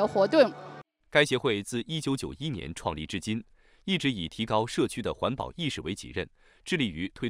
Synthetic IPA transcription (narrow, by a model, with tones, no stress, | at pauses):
ə˧xwɔ˧˥t̪ʊ˥˩ŋ | ka˥ɪɕjɛ˧˥xwe˥˧ɪt͡sɹ̩˥˩ʔi˥t͡ɕjo˧˥ʊt͡ɕjo˨˩ʊi˥njɛ̰˧˥nʈ͡ʂʰwɑ˥˧ŋli˥˩ʈ͡ʂɻ̩˥t͡ɕi˥n | i˥˩ʈ͡ʂɻ̩˧˥i˨˩t̪ʰi˧˥kɑ˥ʊʂɤ˥˩t͡ɕʰy˥d̪ə˨xwa˧˥npɑ̰˨˩ʊi˥˧ʂɻ̩˥˩wḛ˧˥ɪt͡ɕḭ˨˩ɻə̰˥˩n | ʈ͡ʂɻ̩˥˧li˥˩y˧˥t̪ʰwe˥ɪ